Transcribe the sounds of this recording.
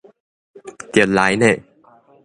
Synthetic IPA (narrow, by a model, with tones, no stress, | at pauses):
ki˨˩˦t̪̚laː˨˦jne˥˧˩